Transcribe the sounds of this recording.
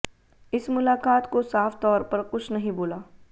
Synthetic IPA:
ɪsmʊlaːkaːt̪kosaːft̪ɔːɾpɐɾkʊt͡ʃʰnɐɦĩboːlaː

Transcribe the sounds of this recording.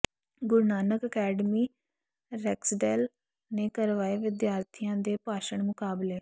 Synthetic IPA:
ɡʊɾnaːnəkəkɛːɖəmiː | ɾɛːksɖɛːl | neːkəɾʋaːeːʋɪd̪jaːɾt̪ʰijãːd̪eːpaːʃəɳmʊkaːbleː

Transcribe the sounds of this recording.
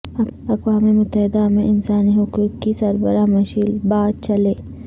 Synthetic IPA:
ɐqʋaːmemʊt̪ːəɦɪd̪amẽʔɪnsaːniɦʊkuːkkisɐɾbəɾamɐʃilbaːd̪̚t͡ʃɐleː

